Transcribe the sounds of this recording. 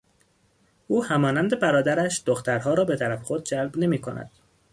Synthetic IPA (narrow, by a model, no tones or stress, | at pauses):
ʔuːhæmɒːnænd̪e̞bæɾɒːd̪æɾæʃd̪̥oxt̪ʰæɾhɒːɾɒːbe̞t̪ʰæɾæfexod̪̚d͡ʒælbne̞miːkʰonæ̰d̪̥